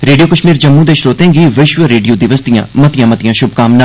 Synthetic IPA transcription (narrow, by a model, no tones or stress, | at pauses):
ɾeːɖijoːkəʃmiːɾd͡ʒəmːũːd̪eːʃɾoːt̪ẽːɡiːʋɪʃʋəɾeːɖijoːd̪ɪʋəsd̪ijã̰ːmət̪ɪjãːmɐt̪ijãːʃʊb̚kaːmna